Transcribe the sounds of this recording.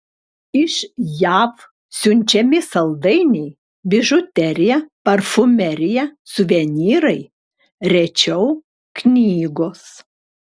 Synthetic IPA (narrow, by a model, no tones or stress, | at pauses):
ɪʃjæːf | sʲʊnʲt͡ʃʲɛmʲɪsɐlˠd̪ɐɪnʲɛɪ | bʲɪʒʊt̪ʲɛɾʲɪjɛpɐɾfʊmʲɛɾʲɪjɛsʊʋʲɛnʲiːɾɐɪ | ɾʲɛt͡ʃʲɛʊ | knʲiːɡoːs